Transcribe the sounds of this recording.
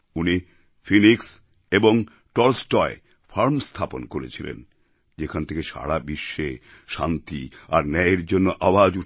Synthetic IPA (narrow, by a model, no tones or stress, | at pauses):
uni | finiks | eboŋ | ʈɔlsʈɔe | faɾmst̪ʰaponkoɾḛt͡ɕʰilḛn | d͡ʑekʰanet̪ʰekeʃa̰ɽabiʃːe | ʃant̪iaɾnɛeɾd͡ʑonːoʔawad͡ʑuʈʰ